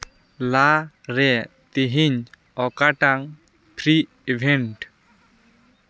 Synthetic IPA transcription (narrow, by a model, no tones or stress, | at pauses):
la | ɾɛ | t̪iɦiɲ | ɔkaʈaŋ | pʰɾi | ibʱɛɳʈ